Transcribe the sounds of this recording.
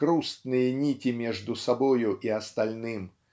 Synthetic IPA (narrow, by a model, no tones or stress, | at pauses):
kɾust̪nɨjɛnʲitʲimʲɛʐd̪usabɔjuʔiɐst̪alʲnɨm